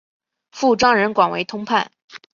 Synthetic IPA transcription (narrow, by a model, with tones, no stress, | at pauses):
fu˥˩ʈ͡ʂwɑ˥ŋɻə˧˥nkwa˨˩nwḛ˧˥ɪt̪ʰʊ˥ŋpʰa̰˥˩n